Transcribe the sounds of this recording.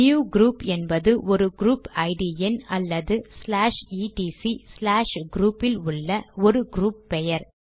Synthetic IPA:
juːɡɾuːpɛnbɐðɯʔɔɾɯɡɾuːpɐɪɖiɛnɐlːɐðɯslaːʂiːʈiːsislaːʂɡɾuːpɪlʊɭːɐɔɾɯɡɾuːpːɛjɐɾ

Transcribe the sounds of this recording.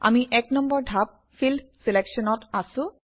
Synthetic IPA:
a̰miʔɛknɔmbɔɹdʱap̚ | fʰildseleksɔnɔtasʊ̃

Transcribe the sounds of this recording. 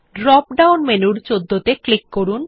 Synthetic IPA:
ɖɾɔp̚ɖawnmenuɽt͡ɕod̪ʱːot̪eklikːoɾun

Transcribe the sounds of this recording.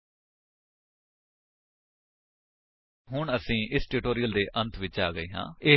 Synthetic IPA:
ɦʊɳəsĩːʔɪsʈuːʈoːɾijəld̪eːʔənt̪ʰʋɪt͡ʃa̰ːɡəiːɦã̰ːeː

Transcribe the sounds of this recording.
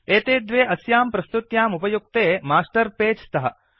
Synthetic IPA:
eːt̪eːd̪ʋeːʔɐsjaːmpɾɐst̪ut̪jaːmupɐjuk̚t̪eːmaːsʈɐɾpeːd͡ʒt̪ɐɦɐ

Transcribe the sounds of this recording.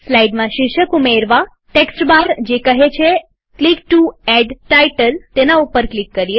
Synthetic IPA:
slaiɖmãʃɪʃəkumeɾʋa | ʈeksʈbaɾd͡ʒekəɦet͡ʃʰe | klik̚ʈuɛɖʈaiʈəlt̪enaupəɾklikːəɾie

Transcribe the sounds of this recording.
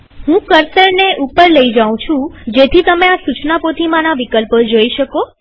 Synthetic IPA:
ɦũkəɾsəɾneʔupəɾləid͡ʒaʋõt͡ʃʰũd͡ʒet̪ʰit̪əmeasut͡ʃnapot̪ʰimãnaʋikəlpəd͡ʒoiʃəko

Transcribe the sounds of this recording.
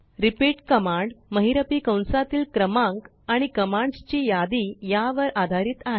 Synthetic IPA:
ɾipiʈkəmaɳɖməɦiɾəpiːkə̃w̃nsat̪iːlkɾəmãŋk | aɽ̃ikəmãɳɖt͡ɕiːjad̪iːjaʋəɾad̪ʱaɾiːt̪aɦe

